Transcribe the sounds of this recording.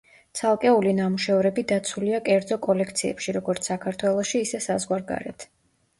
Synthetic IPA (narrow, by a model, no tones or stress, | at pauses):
t̪sʰalˠkʼɛulinamuʃɛvɾɛbid̪at̪sʰuliakʼɛɾd̪zɔkʼɔlɛkʰt̪sʰiɛ̰pʃiɾɔɡɔɾt̪sʰsakʰaɾt̪ʰwɛlˠɔʃiːsɛsazʁwaɾɡa̰ɾɛ̰t̪ʰ